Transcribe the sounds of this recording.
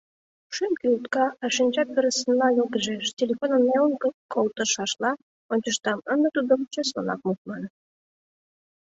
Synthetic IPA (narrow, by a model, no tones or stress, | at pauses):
ʃymkʲiut̪kɑɑʃinʲt͡ɕɑk̚pʲeɾəsənlɑjolɡəʒeʃtʲelʲefonənːeunkəkolˠt̪ə̆ʃɑʃlɑ | onʲt͡ɕəʃt̪ɑmənd̪ə̆t̪ud̪omt͡ɕeslo̰nɑ̰k̚mut̪̚mɑn